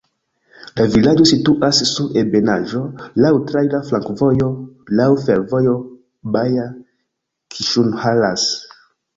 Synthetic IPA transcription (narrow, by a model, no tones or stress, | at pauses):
lavilad͡ʒo̞situʔasːuɾebenaʒo̞lawtɾajlaflaŋkvojolawfeɾvojo | baja | kʰiʃunhalas